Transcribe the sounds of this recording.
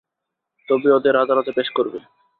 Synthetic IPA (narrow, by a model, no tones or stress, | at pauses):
t̪obiod̪eɾɦad̪ʱaɾot̪epeʃkoɾbe